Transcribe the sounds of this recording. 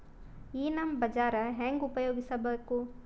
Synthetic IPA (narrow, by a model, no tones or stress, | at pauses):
iːnɐmbɐd͡ʒaːɾɐɦeŋɡupɐjoːɡisɐbɐkːu